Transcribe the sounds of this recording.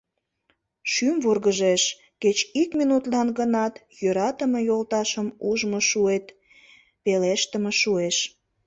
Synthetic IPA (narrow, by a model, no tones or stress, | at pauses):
ʃymvurɣəʒeʃ | ket͡ɕikminut̪lɑnɡənɑt̪ | jøɾɑt̪əməjolt̪ɑʃəmuʒmoʃuet̪ | peleʃt̪əməʃueʃ